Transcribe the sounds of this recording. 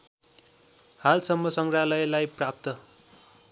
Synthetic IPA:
halsʌmːʌsʌŋɡralʌjlajprap̚t̪ʌ

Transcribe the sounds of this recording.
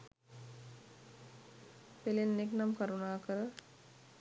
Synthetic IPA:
pelenːeknamkaɾunaːkəɾə

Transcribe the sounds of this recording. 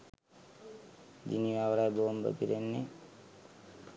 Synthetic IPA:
d͡ʒiniʋaʋɾajbombə̰piɾenːe

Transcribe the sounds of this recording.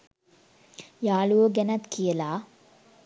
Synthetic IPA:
jaːluʋoɡɛnat̪kijəlaː

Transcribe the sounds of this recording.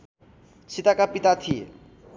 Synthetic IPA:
t͡ɕʰit̪akapit̪at̪ʰiḛ

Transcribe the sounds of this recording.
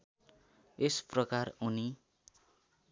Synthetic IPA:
esprʌkaruni

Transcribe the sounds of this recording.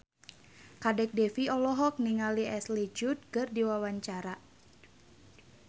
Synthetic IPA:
kadɛk̚dɛfiɔlɔɦɔk̚niŋaliɛslid͡ʒut̪̚kɨrdiwawaɲt͡ʃaɾa

